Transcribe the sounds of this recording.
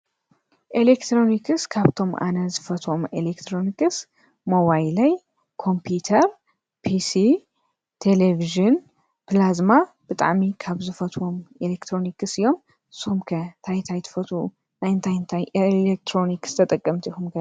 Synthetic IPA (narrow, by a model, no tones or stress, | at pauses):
ʔelekt̪ʰɾo̞nikʰɨskʰaβt̪ʰo̞mʔa̰nɐzɨfɐt̪ʰwo̞mʔelekt̪ʰɾo̞nikɨs | moβajlɐj | kʰo̞mpʰut̪ʰɐɾ | pʰisi | t̪ʰeleviʒɨn | pʰlazma | b̥ɨt̪ʼa̰ʕmikʰaβzɨfɐt̪ʰwo̞melekt̪ʰɾo̞nikɨsɨjo̞m | ɨshumkʰɐt̪ʰajt̪ʰajt̪ʰɨ̥fɐt̪ʰu | najɨnt̪ʰajɨnt̪ʰajlek̚t̪ʰɾonikst̪ʰɐt̪ʼɐkʼːɐmt̪ʰixumɡɐ